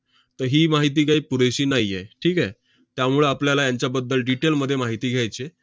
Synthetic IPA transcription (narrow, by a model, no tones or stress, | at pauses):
t̪əɾɦiːmaɦit̪̬iːɡʱaipuɾeɕiːnaɦijeʈʰiːka | t̪jamuɭeapljalajaɲt͡ɕjabəd̪ːəlɖiʈelməd̪ʱːjemaɦit̪iːɡʱjajt͡ɕe